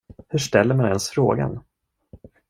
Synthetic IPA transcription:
hɵʂʈɛlːəɾmanɛnsfɾo̰ːɡa̰n

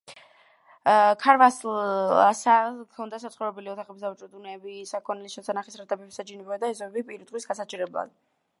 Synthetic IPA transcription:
kʰaɾvaslasakʰɔnd̪asat̪sʰʼχɔɾɛbɛliɔt̪ʰaχɛbisd̪avt͡ʃʼɔd̪unɛbisakʰɔnɛliʃɛsanaχisɾat̪ʰʼɛbɛpsad͡ʒinɛbad̪aɛzɔbɛbipʼiɾid̪ʁwisɡasat͡ʃʼiɾɛblˠa̰d̪̥̚

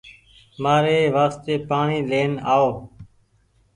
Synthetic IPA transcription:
maːɾeːʋaːst̪eːpaːɳiːleːnaːoː

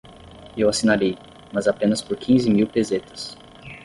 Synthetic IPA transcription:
ewasinaɾej | mɐzapẽnɐspoɾkʰĩzɪmiwpezet̪ɐ̥s

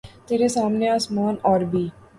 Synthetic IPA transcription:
t̪eːɾesaːmneasmaːnɔːɾbʱiː

